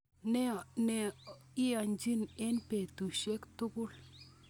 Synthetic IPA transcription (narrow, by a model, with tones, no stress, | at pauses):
ne˦˨ne˨ | i˦a˨nd͡ʒi˦ne˦npe˨tu˨ʃɛ˦ktu˦ku˦˨l